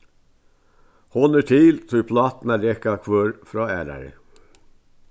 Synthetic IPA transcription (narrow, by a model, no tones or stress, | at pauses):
hɔnəʈʰiːlt̪ʰɔpʰlɑːt̪n̩æɾɛkɑkʰʋøːɾfɾɑːæːɾɑ̰ɾə̰